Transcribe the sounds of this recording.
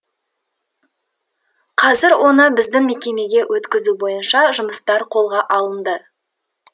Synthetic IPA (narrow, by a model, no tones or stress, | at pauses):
qʰɑzɪɾwo̞nəbɪzd̪ɪŋme̞kʲe̞me̞ɡʲe̞wʔɵt̪kʲɪzubo̞jənʃɑʒʊməst̪ɑɾqʰo̞lˠʁɑʔɑlˠənd̪ə